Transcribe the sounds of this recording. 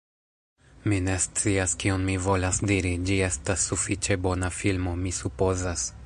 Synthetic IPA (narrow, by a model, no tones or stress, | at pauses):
mine̞st͡siaskionmivo̞lasdiɾid͡ʒie̞stasːufit͡ʃe̞bo̞nafilmo̞misupo̞zas